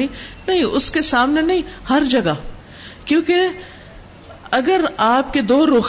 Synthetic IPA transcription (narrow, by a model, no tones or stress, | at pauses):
ĩnɐɦĩʔʊskesaːmnenɐɦĩhɐɾd͡ʒɐɡa | kjõːke | ɐɡəɾaːp̚ked̪oːɾoːx